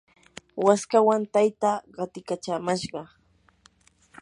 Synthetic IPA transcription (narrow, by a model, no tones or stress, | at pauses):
waskawant̪ajt̪aːɢɑt̪ɪkat͡ʃaːmaʃɢɑ